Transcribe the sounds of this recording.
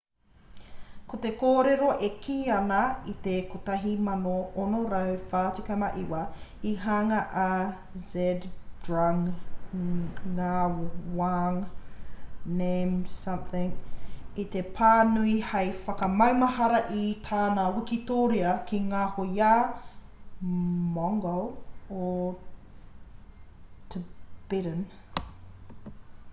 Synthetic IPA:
kot̪ekoːɾeɾoʔekʰiːɐnɐit̪ekot̪ɐɦimɐnoʔonoɾɐwfaːtikɐmɐʔiwɐiɦaŋɐʔa | zɛdd̥ɹaŋ | awaŋ | nemsɐ̃mθɪ̃ŋit̪epʰaːnuihɐjfɐkɐmɐwmɐhɐɾɐʔit̪ʰaːnawikit̪oːɾiɐkʰiŋaːhojaː | mɔŋɡoo | tʰəb̥ɪɾən

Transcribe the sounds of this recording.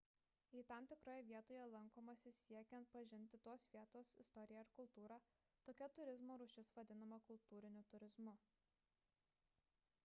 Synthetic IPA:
iːt̪ɑˑmt̪ʲɪkɾoːjɛʋʲiɛt̪oːjɛlˠɐŋˑkoːmɐsʲɪsʲiɛkʲɛnt̪̚pɐʒʲɪnʲt̪ʲɪt̪oːsʋʲiɛt̪oːsɪst̪ɔɾʲɪjɛɪɾkʊlˠt̪uːɾɑː | t̪oːkʲɛt̪ʊɾʲɪzmoːɾʊʃʲɪsʋɐd̪ʲɪnɐmɐkʊlˠt̪uːɾʲɪnʲʊt̪ʊɾʲɪzmʊ

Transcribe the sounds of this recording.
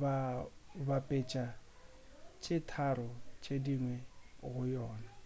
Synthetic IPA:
βa | bapʼet͡ʃʼa | t͡ʃʼɪtʰaɾɔt͡ʃʼediŋwɛɣʊjɔːna

